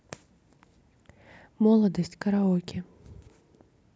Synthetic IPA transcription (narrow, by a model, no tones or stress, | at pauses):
mɔlˠɐd̪ɐsʲt͡sʲkɐɾaɔkʲi